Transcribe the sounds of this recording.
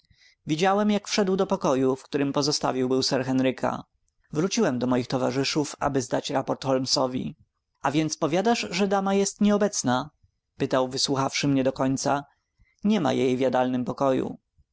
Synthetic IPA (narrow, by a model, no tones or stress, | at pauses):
vʲid͡ʑawɛmjakfʂɛd̪wd̪ɔpɔkɔjufkt̪uɾɘmpɔzɔst̪a̰vʲiwbɘwsɛɾxɛnɾɘkʰa̰ | vɾut͡ɕiwɛmd̪ɔmɔjixt̪ɔva̰ʐɘʂufa̰bɘzd̪at͡ɕɾapɔɾt̪xɔlmsɔvʲḭ | avʲjɛnt̪spɔvʲjad̪aʂʐɛd̪amajɛst̪ɲɛɔbɛt̪sna | pɘt̪awvɘswuxafʂɘmɲɛd̪ɔkɔɲt̪sa | ɲɛma̰jejvʲjad̪alnɘmpɔkɔjṵ